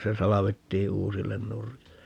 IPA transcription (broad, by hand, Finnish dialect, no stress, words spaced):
se sɑlɑʋetːiː uːsilːen nurkilːe